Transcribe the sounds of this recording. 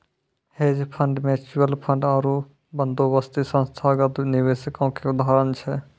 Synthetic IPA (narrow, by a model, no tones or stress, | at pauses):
heːd͡ʒpʰə̃ɳɖmẽt͡ʃuəlpʰə̃ɳɖaːɾu | bənd̪ʱoʋəst̪isə̃nst̪ʰaɡət̪nɪʋesəkõkeʊd̪ʱaɦɾənt͡ʃʰɛ